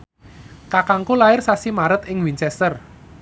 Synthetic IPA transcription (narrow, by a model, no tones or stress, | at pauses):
kakaŋkolaɪrsasimaɾət̪ɪŋwint͡ʃɛst̪ər